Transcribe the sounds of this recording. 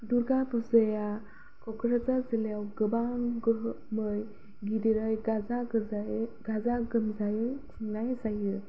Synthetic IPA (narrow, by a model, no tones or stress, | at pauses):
duɾɡapuzaja | kɔkɾazazilejawɡɯbaŋɡɯɦ | mɯj | ɡidiɾajɡazaɡaɡazaɡɯmzajɯtʰiŋnajsajɯ